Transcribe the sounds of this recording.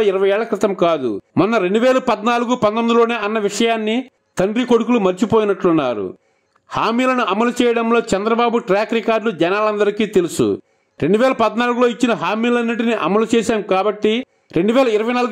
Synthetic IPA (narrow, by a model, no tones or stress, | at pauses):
ɐɪɾɐʋɐjɛːɭlɐkɾɪt̪ɐmkaːd̪ṵmɔnːɐɾe̞ɳɖuʋɛːlɐpɐd̪naːluɡupɐnt̪ɐmd̪ilo̞ːne̞ːɐnːɐʋiʂɐjaːnːi | t̪ɐɳɖɾiko̞ɽukulumɐɾt͡ʃipoːjinɐʈlunːa̰ːɾṵ | haːmiːlɐnuʔɐmɐlut͡ʃɛːjɐɽɐmlo̞ːt͡ʃɛnd̪ɾɐbaːbuʈɾaːkɾikaːɾɖlud͡ʒɛnaːlɐnd̪ɐɾikiːt̪e̞lusṵ | ɾe̞ɳɖuʋɛːlɐpɐd̪naːluɡuloːit͡ʃːinɐɦaːmiːlɐnːiʈ̬iniʔɐmɐlut͡ʃɛːʃaːmkaːbɐʈːi | ɾe̞ɳɖuʋɛːlɐɪɾɐʋɐjnaːluɡ